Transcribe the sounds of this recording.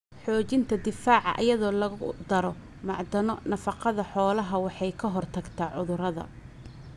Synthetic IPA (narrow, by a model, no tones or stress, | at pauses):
ħɔːt͡ʃɪnt̪ʰɐd̪ɪfaːʕɑ̰ʔɐ̰jɐðɔːlɐɣʊd̪ɐɾɔ | mɑʕd̪ɐnɔnɐfɑqɑðɐħɔːlɐɦɐwɑħɑjkʰɐɦɔrt̪ʰɐɡt̪ʰaːʕʊðʊɾɐðɐ̰